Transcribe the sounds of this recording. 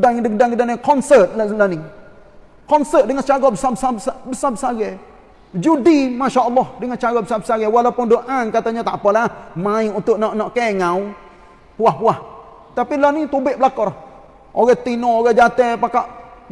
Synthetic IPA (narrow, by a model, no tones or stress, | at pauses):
daŋdək̚daŋədanikɔnsət̪̚lləniŋ | kɔnsət̪̚dəŋat͡ʃaɡɔbəsabəsasabəsabəsaɡɛ | d͡ʒudimaʃaʔɔlːɔhdəŋat͡ʃaɡɔbəsabəsaɡɛwalawpʊndoʔankat̪aɲat̪aʔpɔlɛamaĩunt̪ʊʔnɔʔnɔʔkɛŋaw | puahpuah | t̪apilənit̪ubɪʔ̚bəlakɔɾɔh | ʔoɡɛt̪inooɡɛd͡ʒat̪ɛpakaʔ